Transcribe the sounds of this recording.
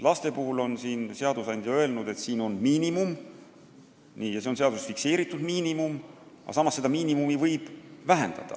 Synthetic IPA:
lɑst̪e̞puhulo̞nsiːnse̞ɑd̪usɑnʲd̪̥ʲjɑø̞e̞lnud̪̥e̞t̪siːno̞nmiːnimum | nijɑseonseɑd̪usfikse̞ːɾit̪ːˑud̪̥miːnimum | ɑ̰sɑmːˑɑsːe̞d̪̥ɑmiːnimumivɤjb̥væɦḛnd̪̥ɑ̰d̪̥ɑ̰

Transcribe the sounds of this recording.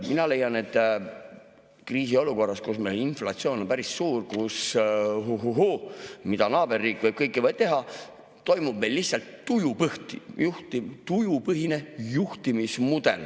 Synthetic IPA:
minɑle̞jɑne̞t̪ːˑ | kriːs̬io̞luko̞rːɑskusmeloninflɑt̪sio̞ːno̞mpæɾissuːrkusɦuɦuɦumid̪ɑnɑːb̥e̞rːiːkːˑvɤb̥̚kɤjkːˑivɤjd̥̪̚t̪e̞ɦɑ | t̪ːo̞jmub̥̚me̞jlːihsɑlt̪ːujupɤht̪ijuht̪it̪ujupɤɦine̞juht̪imismud̪̥e̞̰l

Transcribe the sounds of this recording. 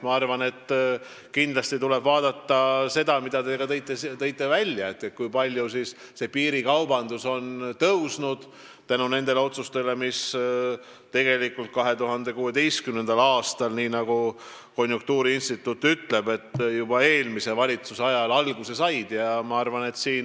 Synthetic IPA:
mɑɑrvɑne̞t̪ː | kind̪lɑst̪it̪ule̞b̥vɑːd̪̥ɑt̪ːɑse̞d̪̥ɑmid̪̥ɑd̪e̞ɡ̥ɑt̪ejt̪ːˑet̪ɤ̞jt̪ːˑe̞vælʲːjɑe̞t̪ːe̞t̪̚kujpɑlʲjusis | se̞piːɾikɑwbɑnd̪uso̞nt̪ɤwsnud̪̥ | t̪ænune̞nd̪̥e̞le̞o̞t̪sust̪e̞le̞mis | t̪e̞ɡ̥e̞likːult̪̚kɑɦe̞t̪uɦɑnd̪e̞kuːe̞d̪e̞jskymne̞nd̪̥ɑlɑːst̪ɑlniːnɑɡu | ko̞njuŋk̚t̪uːɾiinst̪it̪ːˑut̪ːˑyt̪le̞b̥e̞t̪ːjub̥ɑe̞ːlmise̞vɑlʲit̪susɑjɑlɑlɡ̥use̞sɑjd̪̥jɑmɑɑrvɑne̞t̪siːn

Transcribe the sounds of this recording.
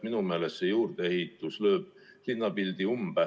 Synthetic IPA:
minume̞ːlest̪ːsejuːrd̪̥eehit̪ːˑuslø̞ːb̥̚linːɑpild̪iumb̥æ

